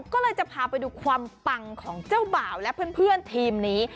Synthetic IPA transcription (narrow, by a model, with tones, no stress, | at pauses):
kɔː˥˩lɤː˧jt͡ɕa˨˩pʰaː˧˩pa˧jduː˧kʰwaː˧mpa˧ŋkʰɔː˩˦ŋt͡ɕaː˥˩wbaː˨˩wlɛ˦˥pʰɯ˥˩˨npʰɯ˥˩ənt̪ʰiː˧mniː˦˥